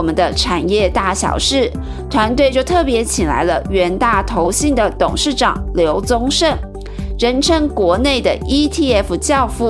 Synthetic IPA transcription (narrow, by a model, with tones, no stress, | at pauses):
mə˨˦nd̪ə˧ʈ͡ʂʰa˨˩njɛ˥˧t̪a˥˩ɕjɑ̰˨˩ʊʂɻ̩˥˩ | t̪ʰwa˧˥nt̪we˥˧ɪt͡ɕjo˥˧ʊt̪ʰɤ˥˩pjɛ˧˥t͡ɕʰi˨˩ŋla̰˧˥ɪlə˧ɥɛ˧˥nt̪a˥˩t̪ʰo˧˥ʊɕi˥˩ŋd̪ə˩t̪ʊ˨˩ŋʂɻ̩˥˩ʈ͡ʂɑ̰˨˩ŋljo˧˥ʊt͡sʊ˥ŋʂə˥˩n | ɻə˧˥nʈ͡ʂʰə˥ŋkwɔ˧˥ne˥˩ɪd̪ə̰˩i˥t̪ʰi˥˩ɛ˥fu˧t͡ɕjɑ˥˧ʊfu˥˩